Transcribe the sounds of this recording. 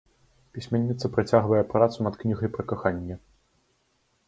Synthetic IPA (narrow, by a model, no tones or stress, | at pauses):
pʲisʲmʲɛnʲːit̪sɐpɾat͡sʲaɣvɐjɛpɾat̪sunɐt̪knʲiɣɐjpɾɐkaxanʲːɛ